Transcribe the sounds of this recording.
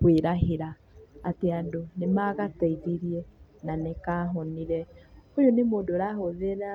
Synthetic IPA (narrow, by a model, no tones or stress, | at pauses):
kweɾaɦeɾa̰ː | teadonemaɣataiɾiɾiɛnanekaɦɔniɾɛojonemoːdoɾaɦoðeɾa